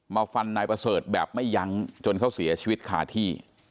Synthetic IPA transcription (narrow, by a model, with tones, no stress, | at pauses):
maː˧wfa˧nːaː˧jpɾa˧sɤː˨˩t̪̚bɛː˨˩p̚ma˥˩jːa˧˦˥ŋt͡ɕo˧nkʰa˥˩wsi˨˩˦ɐt͡ɕʰiː˧wi˦˥t̪̚kʰa̰ː˨˩t̪ʰiː˥˩